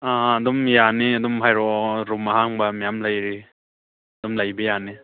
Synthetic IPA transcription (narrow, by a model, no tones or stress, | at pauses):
aːdɔmjaneɐdɔmbʰʱajɾɔɾumaɦaŋbamijamlajɾi | ɐdɔmlajbajane